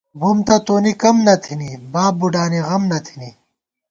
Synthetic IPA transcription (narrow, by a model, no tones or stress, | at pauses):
bumt̪ɐt̪oːnikɐmnɐt̪ʰinibaːbuɖaːniɣɐmnɐt̪ʰini